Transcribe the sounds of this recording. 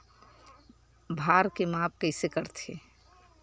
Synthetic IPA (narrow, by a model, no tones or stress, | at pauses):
bʱaːɾkemaːp̚kəɪsekəɾt̪ʰe